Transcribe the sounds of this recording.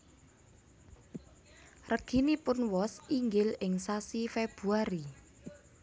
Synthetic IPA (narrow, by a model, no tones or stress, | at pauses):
rəɡ̥inipʊnwɔsiŋɡɪlɪŋsasifeb̥ṳaɾi